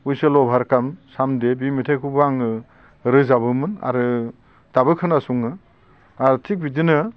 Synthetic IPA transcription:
ujsɯlɔbʱaɾkamsamdebimitʰakʰubaŋɯ | ɾɯzabɯmɯna̰ɾɯ | d̥abɯkʰɯnasuŋɯ | aɾɯtʰik̚bidinɯ

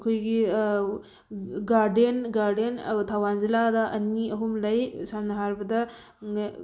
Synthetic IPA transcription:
kʰojɡi | ɡaɾdenɡaɾdentʰawanziladɐʔɐniɐɦumlɐjsamnɐɦaɾbɐdɐ

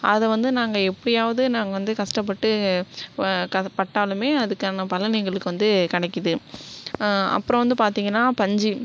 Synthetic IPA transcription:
ɐðɛʋɐnd̪ɯnaːŋɡɐɛpːɐɽɪjaːʋɐðɯnaːŋɡɐʋɐnd̪ɯkɐʂʈɐp̬ːɐʈːɯ | kɐpɐʈːaːlɯmeːɐðɯkːaːnɐpɐlɐnɪŋɡɐɭɯkːɯʋɐnd̪ɯkɐɽɛɪkːɯðɯ | ɐ̰pːɯɾɔ̃ʋɐnd̪ɯpaːɾt̪iːŋɡɐnːaːpɐɲd͡ʒi

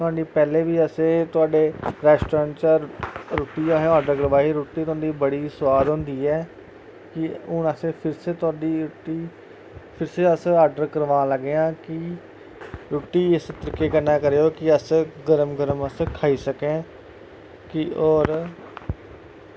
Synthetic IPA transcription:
t̪ʊɦãːɳɖiːpɛːleːʋiːəsẽːt̪ʊaːɖeːɾɛːsʈɾəənt͡ʃaːɾoːʈiːaːɦeõaːɖəɾkəɾəʋaːɦiːɾoːʈːiːt̪ʊãːɳɖ̪iːbəɽiːsʊʋaːd̪ɦõːnd̪iːɛː | kɪʊnəsẽːpʰɪɾseːt̪ʊaːɖiːʈiː | pʰɪɾseːəsaːɖəɾkəɾʋãːləɡeãːkɪ | ɾuːʈːiːɪst̪əɾiːkeːkəɾnaːkəɾeːoːkɪəsɡəɾəmɡəɾəməskʰaːiːsəkẽː | kɪɔːɾ

